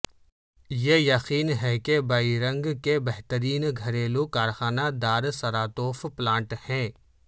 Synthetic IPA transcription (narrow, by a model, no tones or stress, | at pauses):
jejɐqiːnɦɛkebaːiɾɐ̃ŋɡkebɛɦt̪əɾiːnɡʱɐɾeːlokaːɾxaːnad̪aːɾsɐɾaːt̪oːfplãːʈhɛ̃ː